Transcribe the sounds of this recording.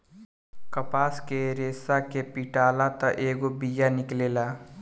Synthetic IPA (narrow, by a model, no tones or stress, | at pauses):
kəpaːskeɾeːsakepiʈaːlat̪aʔeːɡobijanɪkleːlaː